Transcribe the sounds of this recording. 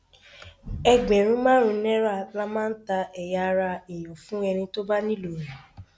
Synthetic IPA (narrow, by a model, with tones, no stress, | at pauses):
ɛ˧ɡ͡bɛ˨ɾ̃ũ˦mãː˦ɾ̃ũ˧˦nɛ̃˦ɾa˦la˦mãː˦n̩˦ta˧ɛ˨ja˨˧ɾa˧e˨j̃ɔ̃˨fũ˦ɛ˧nĩ˧to˦ba˦nĩ˦lo˨ɾi˨